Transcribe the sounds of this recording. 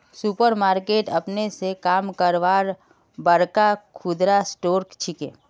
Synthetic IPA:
supəɾmaːɾkeːʈəpnesekaːmkəɾʋaːɾ | bəɾkakʰʊd̪ɾasʈoːɾkt͡ʃʰikḛ̃ː

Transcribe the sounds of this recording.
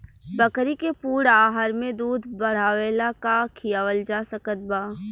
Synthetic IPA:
bɐkɾikepuːɽaːɦəɾmẽd̪uːd̪ʱbɐɽ̤aːʋeːlakakʰijaːʋəld͡ʒaːsəkət̪̚baː

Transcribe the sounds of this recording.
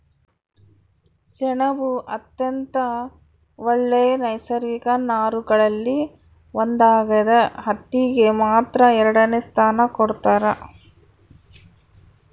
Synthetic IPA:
sɛɳɐbuʔɐt̪jɐnt̪ɐ | ʋɐɭːeːnɐjsɐɾikɐnaːɾuɡɐɭɐlːi | ʋond̪aːɡɐd̪ɐɦɐt̪ːiɡemaːt̪ɾɐɛɾɐɽɐnest̪ʰaːnɐkɔɽt̪aːɾɐ

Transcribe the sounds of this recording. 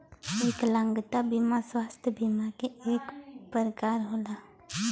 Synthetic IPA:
eːklə̃ŋɡt̪abimaswaːst̪ʰjəbimakeeːkpəɾkaːɾɦoːla

